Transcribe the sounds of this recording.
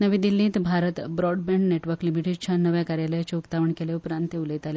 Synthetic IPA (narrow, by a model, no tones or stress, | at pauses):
nəʋĩd̪ilːĩːt̪bʱaɾət̪bɾɔɖbẽɳɖneʈʋəɾklimiʈidt͡ɕʰanəʋjakaɾjaləjat͡ɕeukt̪aʋəɳkeleupɾãnt̪euləit̪ale